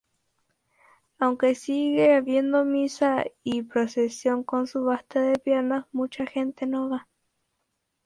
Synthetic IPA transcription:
awŋke̞siɣeaβje̞nd̪o̞misaipɾosesjo̞ŋko̞nsuβast̪aðepjeɾnasmut͡ʃaxe̞nt̪enweβa

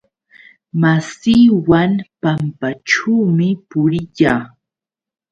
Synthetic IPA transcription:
masiːwanpampaʈ͡ʂuːmɪpʊɾɪʎaː

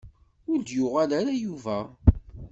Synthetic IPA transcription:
ʊɾd̪jʊʁalaɾajuvæ

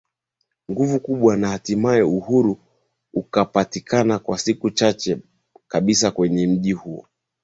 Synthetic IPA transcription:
ŋɡuvukuɓwanahatimaɛuhuɾu | ukapatikʰanakwasikut͡ʃat͡ʃɛ | kaɓisakwɛɲɛm̩ʄihuɔ̰

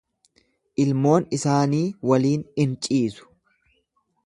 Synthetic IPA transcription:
ʔɪlmo̞ːnɪsaːniːwɐliːnɪnt͡ʃʼiːsʊ̥

